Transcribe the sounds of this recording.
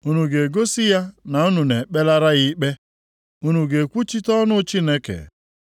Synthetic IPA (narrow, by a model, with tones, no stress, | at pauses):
u˦nu˨ɡe˨ɡo˦si˦ja˦na˨u˦nu˨ne˨k͡pe˦la˦ɾa˦ɣi˦k͡pe˦ | u˦nu˨ɡe˨kʷu˦t͡ʃi˦tɔ˦nʊ˦t͡ʃi˦ne˦kḛ˨